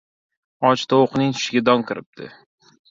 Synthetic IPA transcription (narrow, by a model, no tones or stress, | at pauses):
ɒt͡ʃt̪ʰaoqnɪŋt̪ʰʊ̥ʃɪɡʲad̪ɒŋkʰʲɪɾɪp̚d̪ɪ̰